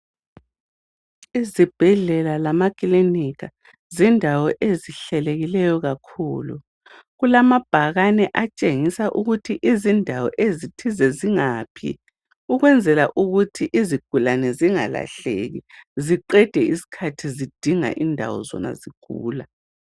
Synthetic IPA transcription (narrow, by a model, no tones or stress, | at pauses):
izib̥ʱɛɮɛlalamakʼiliniɣʰa | zindʱawɔʔeziɬɛleɣilɛjɔɣakʰuːlṵ | ɣulamab̥ʱaɣanɛʔat͡ʃʼeŋisaʔuɣutʰiʔizindʱawɔ̰ʔezitʰizɛziŋaːpʰḭ | uɣwɛnd͡zʱɛla̰ʔuɣutʰiʔiziɡ̥ʱulanɛziŋa̰la̰ɬḛɣiziǃɛd̥ʱɛisi̥kʰatʰizid̥ʱiŋa̰ʔindʱa̰wɔ̰zɔ̰na̰ziɡ̥ʱṵːla